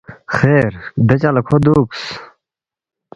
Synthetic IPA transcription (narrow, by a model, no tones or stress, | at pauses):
xeɾd̪ɐt͡ɕalɐkʰod̪uːks